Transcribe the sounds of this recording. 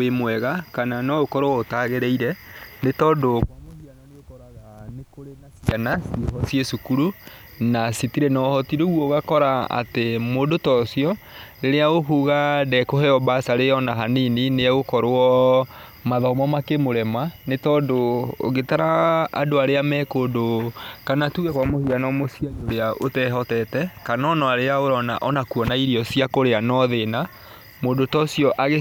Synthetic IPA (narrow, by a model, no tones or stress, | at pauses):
wemwɛɣakananɔokɔɾowɔotaɣeɾɛiɾɛnetɔːndokamosiananeokɔɾaɣanekoɾenasianasiɦɔsjesukuɾu | nasitiɾɛnɔhɔtiɾoɣwɔɣakɔɾaa̰temodotɔsiɔɾeɾeaɣoɦuɣadɛkohɛɔbasaɾejɔnaɦaninineaɣokɔɾoɔ | maðɔmɔmakemoɾɛmanetɔːdoo̰ɣetaɾa̰ːdoaɾeamɛkodokanatuɣɛkwamohianɔmosiajoɾeaʔotɛɦɔtɛtɛkanɔnɔaɾeaoɾɔna̰ʔɔnakuɔnaiɾiɔsiakoɾeanɔðena | moːdotɔsiɔʔaɣe